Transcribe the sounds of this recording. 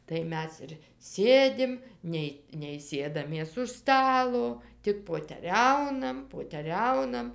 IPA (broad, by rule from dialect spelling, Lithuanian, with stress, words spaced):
tɐɪ ˈmʲɛs ɪr ˈsʲeːdʲɪm ˈnʲɛɪ nʲɛɪ ˈsʲeːdɐmʲeːs ʊʃ ˈstɑːlˠoː ˈtʲɪk poːtʲɛˈrʲɛʊnɐm poːtʲɛˈrʲɛʊnɐm